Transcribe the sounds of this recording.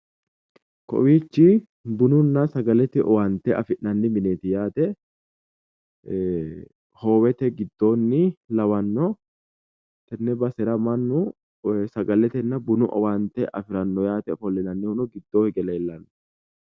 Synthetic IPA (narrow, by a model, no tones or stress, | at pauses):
kɔ̰wiːt͡ʃːɪ | bʊnʊnːɐsɐɡɐlɛt̪ɪʔɔ̰wɐnt̪ɛɐfɪʔnɐnːɪmɪneːt̪ɪjaːt̪ɛ | hoːwɛt̪ɛɡɪd̪ːo̞ːnːɪlɐwɐnːɔ | t̪ɛnːɛbɐsɛɾɐmɐnːʊ | sɐɡɐlɛt̪ɛnːɐbʊnʊʔɔ̰wɐnt̪ɛʔɐfɪɾɐnːɔjaːt̪ɛfɔlːɛnɐnːɪhʊnɔɡɪd̪ːoːhɪɡɛleːlːɐnːɔ